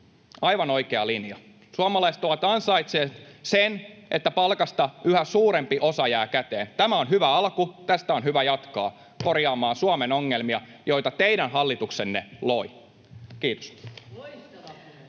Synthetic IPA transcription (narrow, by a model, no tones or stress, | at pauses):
ɑjʋɑno̞ikeɑlinjɑ | suɑmɑlɑiset̪oʋɑt̪ɑnsɑit̪seːsenʔet̪ːæpɑlkɑst̪ɑyhæsuːɾe̞mpiʔo̞sɑjæːkæt̪e̞̰ːnt̪æmæo̞nɦyʋæɑlkut̪æst̪æo̞nɦyʋæjɑt̪kɑ̰ː | ko̞rjɑːmɑːnsuɑmeno̞ŋːelmiɑ | jo̞jt̪ɑt̪ejdænɦɑlːit̪ukse̞nːe̞̰lo̞i | kiːt̪o̥s